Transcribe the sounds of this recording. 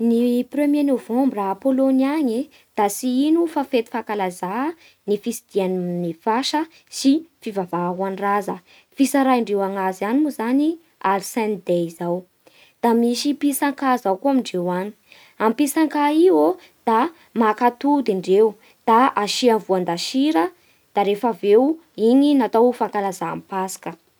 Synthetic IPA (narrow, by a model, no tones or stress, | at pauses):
niprømjenovombɾaːpoloniaɲe | d̪̥asiinufafet̪i̥fakalaza | nifisid̪̥iannifaʃə | sifivavaɦwanirazə | fisaɾaiɳɖ͡ʐewaŋazanimuzani | alsɛ̃nd̪eizaw | d̪̥amiʃipisaŋkazawkuamiɳɖ͡ʐewani̥ | ampisaŋkaio | d̪̥a | makat̪ud̪iɳɖ͡ʐew | d̪̥aaʃiamvuand̪aʃiɾə | d̪̥aɾefavewiɲinat̪awfaŋkalazaːmpasḁkə